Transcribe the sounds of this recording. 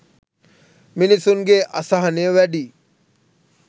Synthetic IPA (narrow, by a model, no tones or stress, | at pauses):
minisuŋɡeʔɐ̰saɦɐneəʋæɖi